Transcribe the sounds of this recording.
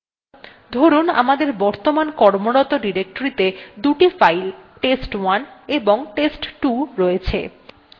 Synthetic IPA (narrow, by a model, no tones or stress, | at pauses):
d̪ʱoɾuna̰mad̪eɾbɔɾt̪omankɔɾmoɽɔt̪oɖiɾek̚ʈoɾit̪ed̪uʈifajlʈesʈwaneboŋʈesʈʈuɾoet͡ɕʰḛ